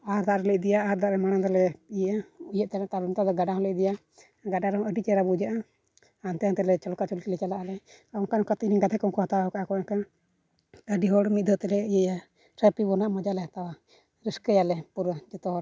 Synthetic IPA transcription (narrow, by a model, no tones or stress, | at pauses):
aɾd̪aʔɾɛlɛʔ̚d̪ɛjaaɾd̪aʔɾɛmaɽ̃ad̪ɔlɛiʔaujəʔ̚t̪anat̪alɔnt̪ad̪ɔɡaɖaɦɔlɛʔ̚d̪ɛja | ɡaɖaɾɛɔ̃əɖit͡ʃɛɾabud͡ʒaʔa | ant̪ɛant̪ɛlɛt͡ʃɔlɔkat͡ʃɔlkilɛt͡ʃalaʔalɛaɔkanɔkat̪iʔniɡad̪ʰɛkɔŋkɔhat̪awaɔkaʔakɔnaka | əɖiɦɔɽmit̪̚d̪ɔt̪ɛlɛiʔa | ɾəpibɔnaʔmɔd͡ʒalɛɦat̪awa | ɾiskəjalɛpuɾəd͡ʒɛt̪ɔɦɔɾ